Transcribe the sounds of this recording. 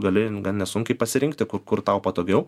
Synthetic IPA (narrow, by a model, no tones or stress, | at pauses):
ɡɐlʲɪɡɐnnʲɛsʊŋʲkʲɛɪpɐsʲɪɾʲɪŋk̚t̪ʲɪkʊɾkʊrt̪ɐʊpɐt̪oːɡʲɛʊ